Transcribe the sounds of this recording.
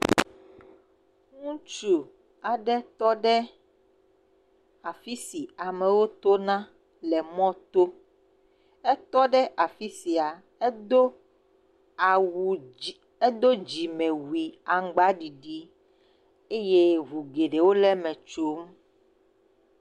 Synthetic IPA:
ŋũ˦t͡ʃu˨ | a˨ɖɛ˦t̪ɔ˦ɖɛ˦ | a˨fi˦si˨a˨mɛ̃˨wo˦t̪o˦nã˦ | lɛ˨mɔ̃˦t̪o˦ | ɛ˦t̪ɔ˦ɖɛ˦ʔa˨fi˦si˨a˨ | ɛ˦o˦˨ | wu˨ | ɛ˦d̪o˦d͡ʑi˨mɛ̃˨wu˨i˨a˨ŋɡ͡ba˦ɖi˨ɖi˦ | e˦je˦ɦu˨ɡe˨ɖe˨wo˦lɛ˦mɛ̃˨t͡ʃo˦m

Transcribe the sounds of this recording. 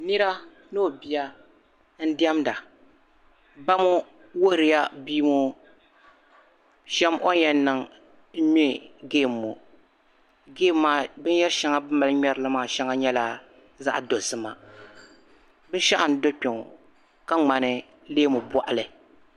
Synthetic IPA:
nɨ˦ɾa˦ | noː˦˨bi˨ja˦ | n̩˦di˦ɛ˦mda˨ | ba˦mu˦ | wo˦hɾɨ˨ja˦bi˦mu˦ | ʃɛ˦mʔo˦ɲɛ˨n˦nɨ˨ŋ | m̩˦mi˦ɡeː˦˨mːo˨ | ɡeː˦mːaː˨bɨ˦n˦jɛ˦ʃɛ˦ŋa˦bɨ˦ma˨˦lɲɛ˦ɾɨ˦lɨ˦maː˦˨ʃɛ˦ŋa˦ɲɛ˦la˦ | za̰˦ʔdo˨sɨ˦ma˨ | bɨ˦ʃa˦ʔa˨n̩˦do˦k͡pɛ˨ŋ˨ | ka˦ŋ͡ma˨nɨ˦ | leː˦mu˨bɔ˨ʔa˨lɨ˨

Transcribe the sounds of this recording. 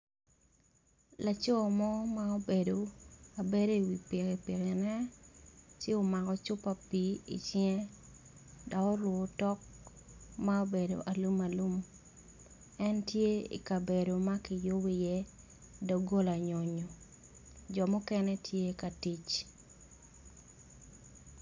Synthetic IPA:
la˨t͡ʃo˦mɔ˦ma˦o˦be˨do˨a˨be˦do˦i˨wi˨pi˨ke˨pi˨ke˨nɛ˦ | t͡ʃɪ˦o˨ma˨kɔ˨t͡ʃʊ˦pːa˨pi˨ḭ˨t͡ʃɪɛ˦ | dɔ˨kɔ˦ɾwo˨tɔ˦k̚ | mao˦be˨do̰˨ʔa˨lu˦ma˨lu˦m | ɛ˦ntje˦ḭ˨ka˨be˨do˨ma˦kɪ˨jo˦wi˦jɛ˦ | dɔ˨ɡo˦la˨ɲo˨ɲo˨ | d͡ʒɔ˨mʊ˦kɛ˦nɛ˦tʰje˦ka˨ti˦t͡ʃ

